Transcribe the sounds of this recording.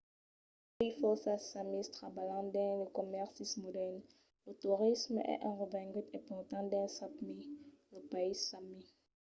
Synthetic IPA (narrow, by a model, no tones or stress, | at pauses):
paifɔsasamist̪ʁabalɑ̃d̪ɛ̃ləkɔmɛʁsismodɛn | lət̪uʁismɛ̰ʔɛ̃ʁəvɛ̃ɡyt̪ɛ̃pɔʁt̪ɑ̃d̪ɛ̃satmiləpaisami